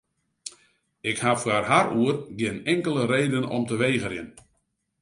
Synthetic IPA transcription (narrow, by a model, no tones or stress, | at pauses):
ɪkhafwarɦaruərɡɪnɛŋkəlˠəɾeːdənɔ̰mtəʋeːɣərjɪ̰n